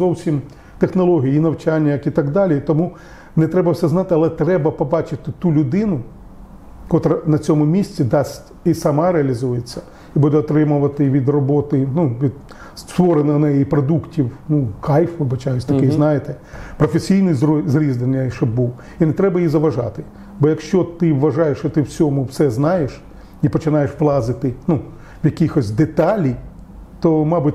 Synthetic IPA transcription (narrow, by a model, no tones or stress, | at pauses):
zɔwsʲim | t̪exnɔlˠɔɦʲijiinɐwt͡ʃɑnʲːɐjɐkit̪ɑɡd̪ɑlʲit̪ɔmu | nɛt̪ɾɛbɐwsɛznɑt̪ɪɐlˠɛt̪ɾɛbɐpɔbɑt͡ʃɪt̪ɪt̪ulʲʊd̪ɪnʊ | kɔt̪ɾɐnɐt͡sʲɔmʊmʲisʲt͡sʲid̪ɑsʲtʲisɐmɑɾeɐlʲizujet͡sʲːɐ | ibud̪ɛɔt̪ɾɪmʊʋɐt̪ɪʋʲid̪rɔbɔt̪ɪnuʋʲid̪ | sst̪ʋɔɾenɐnɛjipɾɔd̪uktʲiwnukʰɑjfʋɪbɐt͡ʃajʊsʲt̪ɐkɪznɑjet̪ɛpɾɔfesʲijnɪjzzɾʲizd̪enjɐʃɔbbuw | inɛt̪ɾɛbɐjizɐʋɐʒɑ̰t̪ɪ | bɔjɐkʃt͡ʃɔt̪ɪʋːɐʒɑjeʃt͡ʃɔt̪ɪwsʲɔmʊwsɛznɑjeʃ | ipɔt͡ʃɪnɑjeʃplˠɑzɪt̪ɪnu | wjɐkʲixɔsʲd̪et̪ɑlʲi | t̪ɔmɑbʊtʲ